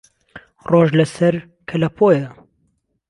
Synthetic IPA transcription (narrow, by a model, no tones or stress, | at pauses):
roːʒlɐsɐɾ | kʰɐlɐpʰoːjɐ